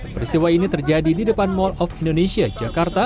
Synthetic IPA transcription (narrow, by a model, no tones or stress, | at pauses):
pəɾist̪iwainit̪ərd͡ʒadididəpanmɔlɔfindonesiad͡ʒakart̪a